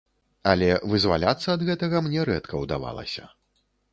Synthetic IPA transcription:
ɐlʲɛvɨzva̰lʲat̪sːɐːd̪ɣɛt̪ɐɣɐmnʲɛɾɛt̪kʰɐwd̪a̰va̰lˠɐ̰sʲɐ̰

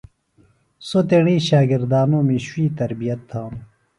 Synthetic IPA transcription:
sot̪eɽĩːɕaːɡɪɾd̪aːnõːmĩːɕwiːt̪ɐɾbijɐt̪ʰːãːm

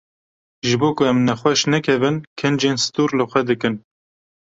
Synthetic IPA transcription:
ʒɨboːkʊɛmnɛxwɛʃnɛkʰɛvɨnkʰɨnd͡ʒeːnsɨ̥t̪uːɾlɨxʷɛd̪ɨkɨn

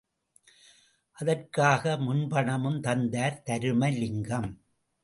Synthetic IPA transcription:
ʔɐðɐrkaːɣɐmʊnbɐɳɐmɯmt̪ɐnd̪aːɾt̪ɐɾɯmɐlɪŋɡɐm

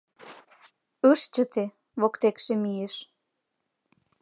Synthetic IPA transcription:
əʃt͡ɕə̆t̪e | βokt̪ekʃemijeʃ

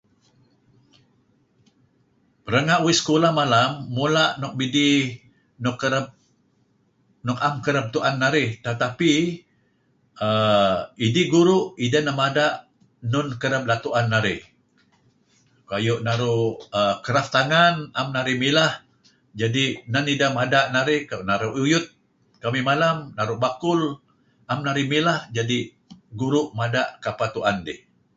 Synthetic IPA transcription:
pəɾəŋaʔwɪsə̥kolahmalamːulaʔnɔk̚bidi | nɔkəɾəp̚ | nɔkamkəɾap̚t̪uʔanːaɾɪht̪ət̪api | əidiɡuɾʊʔidənəmadaʔ | nʊnkəɾəp̚lat̪uʔanːaɾɪh | kajʊʔnaɾʊʔəkəɾaft̪aŋanamnaɾɪhmilah | d͡ʒadinanidamadaʔnaɾɪhkanaɾuʔujʊt̪̚ | kamimalamnaɾʊʔbakʊl | amnaɾɪmilahd͡ʒadi | ɡuɾʊʔmadaʔkapat̪uʔandɪh

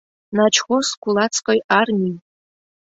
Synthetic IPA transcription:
nat͡ʃʰχʷosɡʷulat͡sʰqʼojarmʲi

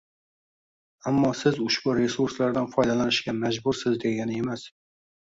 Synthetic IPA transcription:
amːɒsɪzʊʃb̥ʊɾe̞suɾslaɾd̪anfɒjd̪alanɪʃkʲamad͡ʒbʊɾsɪzd̪e̞ɡʲanɪe̞mas

